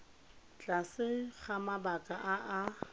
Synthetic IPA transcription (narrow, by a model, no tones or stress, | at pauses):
t͡ɬʼasɪχamabakʼaʔaʔa